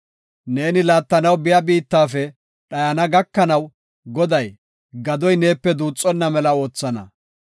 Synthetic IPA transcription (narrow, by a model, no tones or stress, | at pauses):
ne̞ːnɪlaːt̪ːɐnɐwbɪjɐbiːt̪ːaːfɛ | ɗɐjɐnɐɡɐkːɐnɐw | ɡɔd̪ɐj | ɡɐd̪ɔjne̞ːpːɛd̪uːt͡sʼːɔnːɐmɛlɐo̞ːt͡sːɐnɐ̰